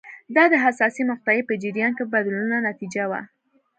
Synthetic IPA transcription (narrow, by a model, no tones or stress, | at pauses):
d̪ɑd̪əɦasɑsimʊxt̪ajepəd͡ʒɪɾjɑnkebad̪lunanat̪id͡ʒawa̰